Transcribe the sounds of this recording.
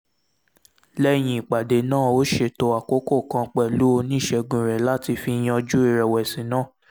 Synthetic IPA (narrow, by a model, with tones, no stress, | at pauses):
lɛ˦j̃ĩ˧i˨k͡pa˨de˨˦nãː˦˨o˨˦ʃe˦˨to˧a˨ko˦ko˦˨kã˧k͡pɛ˨lu˦o˧nĩ˦˨ʃɛ˧ɡũ˨ɾɛ˨la˦ti˧fi˧j̃ɔ˧d͡ʒu˦i˦˧˨ɾɛ˨wɛ˨sĩ˨˦nãː˦˨